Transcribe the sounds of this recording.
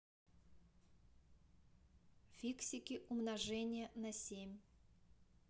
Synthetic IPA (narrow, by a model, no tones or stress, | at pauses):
fʲiksʲɪkʲiʔumnaʐɛnʲɪjənɐsʲemʲ